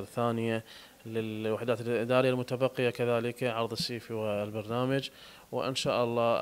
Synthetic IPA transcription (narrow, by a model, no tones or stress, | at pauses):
lθaːnɪja | lɪlwaħd̪aːt̪lʔɪd̪aːɾɪjalmʊt̪abɑqːɪjakaðaːlɪkʕɑɾˤðˤɨsːiːfiwalbɑɾˤnaːmad͡ʒ | wɪ̰ʔɪ̰nʃaːʔɑlˤːɑː